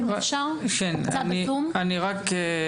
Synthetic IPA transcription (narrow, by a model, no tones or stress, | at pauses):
ʃakenaniumaniʁak